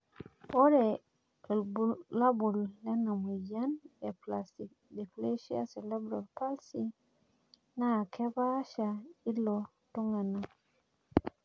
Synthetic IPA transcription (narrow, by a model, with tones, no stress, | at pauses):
o˦ɾe˨ | kə˨lbuː˦a˦bu˨lːe˦na˨mu˨ja˦ne˨pla˨sti˨k̚ | di˨kle˦ʃi˦a̰˦se˨le˦bɾo˨lpa˦lsi˦ | na˦˨kʰe˦ba˦ʃa˨i˦lo˨ | tu˦ŋe˨na˨